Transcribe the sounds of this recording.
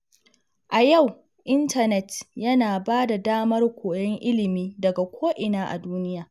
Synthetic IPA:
ʔa˨ja˦˨w | ʔɪ˦ntɐ˨nɛ˨tjɐ˦naː˨baː˦da˨daː˦mɐ˦rkʷoː˨jɐ˦ŋʔɪ˦lɪ˨miː˦dɐ˨ɡa˨kʷʰoː˦ʔɪ˨naː˦ʔa̰˨duː˦nɪ˦jaː˨

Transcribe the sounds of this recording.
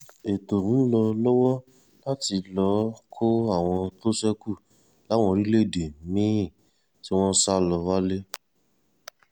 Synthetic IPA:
e˨to˨mĩ˨˦lɔ˧lɔ˦wɔ˦ | la˦ti˧lɔ˨˦kʰo˦a˦˨w̃ɔ̃˧to˦sɛ˦ku˦˨ | la˨˦w̃ɔ̃˧ɾi˦le˦e˦˨de˨mĩ˨˦˨ | ti˦w̃ɔ̃˦sa˦lɔ˧wa˦le˦

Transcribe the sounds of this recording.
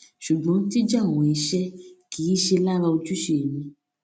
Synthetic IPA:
ʃu˨ɡ͡bɔ̃˨˦ti˦d͡ʒã˦˨ɔ̃˨i˨˧ʃɛ˦kʰi˨˦ʃe˧la˦ɾa˧o˧t͡ʃu˦ʃe˦˨nĩ˧

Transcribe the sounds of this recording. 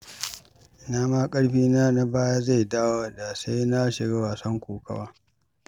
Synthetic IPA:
naː˦maː˦kʼɐ˦ɽɸiː˦naː˦na˦baː˦ja˦za˦˨jdaː˦wa˦da˨sa˦jna˦ʃɪ˨ɽaː˦waː˨sɐ˦ŋkʷuː˨kɐ̰˦waː˦

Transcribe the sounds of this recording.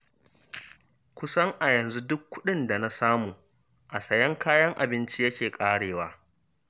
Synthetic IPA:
kʷʊ˦sɐ˦ŋʔa˨jɐ˨nzu˦dʊ˦kʷːʊ˦ɗɪ˦nda˨na˦saː˦muː˨ | ʔa˨sɐ˨jɐ˦ŋkʰaː˦jɐ˦ŋʔa̰˨bɪ˦nt͡ʃi˦jɐ˦kʲeː˨kʼaː˦ɽeː˨waː˦

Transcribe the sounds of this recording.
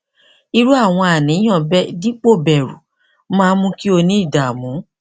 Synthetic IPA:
i˧ɾu˦a˦˨w̃ɔ̃˧a˨nĩ˨˦j̃ã˦˨bɛ˦di˦k͡po˦˨bɛ˨ɾṵ˨ | mãː˦mũ˦ki˦o˧nĩ˦i˦˨da˨mũ˨˦

